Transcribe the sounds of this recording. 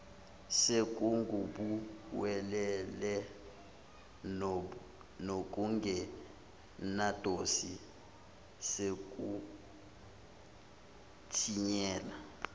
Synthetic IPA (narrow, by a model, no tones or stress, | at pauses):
sek̬ʼuŋɡʱuɓuwɛlɛlɛ | nok̬ʼuŋɡʱɛ | nad̥ʱosi | sekʼu | tʰiɲɛːla